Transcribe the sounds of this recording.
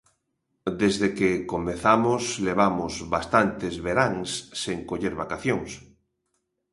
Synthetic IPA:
d̪ezðekekomeθamʊsleβ̞amʊzβast̪ant̪ezβeɾaŋsːeŋkoʎeɾβakaθjoŋs

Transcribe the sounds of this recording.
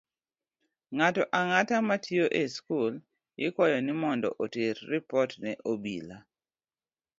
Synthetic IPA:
ŋatɔʔaŋatamatʰjoʔeskul | jɪkwɔjɔnɪmɔndɔ̰ʔoterːipɔtnɛʔobḭla

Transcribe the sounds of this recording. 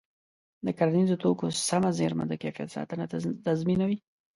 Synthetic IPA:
d̪əkaɾanizot̪okosamazeɾma̰d̪əkefija̰t̪sɑ̰t̪ənat̪azminawi

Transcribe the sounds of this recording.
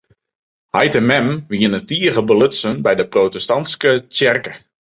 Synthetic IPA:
hajtɪmɛmʋiənətiəɣəbəløtsənbɛjdəprotɛstɑntskət͡ʃɛrkə

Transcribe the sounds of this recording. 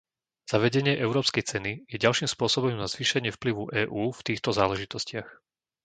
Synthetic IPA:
z̥aʋɛɟɛɲɪɛʔɛʊɾɔːpskɛjt͡sɛnijɛɟalʃiːmspʊɔsɔbɔmnazʋiːʃɛɲɪɛfpliʋuʔɛːʔuːft̪iːxt̪ɔzaːlɛʒit̪ɔscɪax

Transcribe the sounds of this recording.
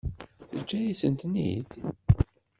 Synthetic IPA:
θəd͡ʒːæjisənt̪nḭd̪

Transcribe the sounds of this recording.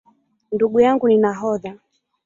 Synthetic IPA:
nduɠujaŋɡuninaɦɔða

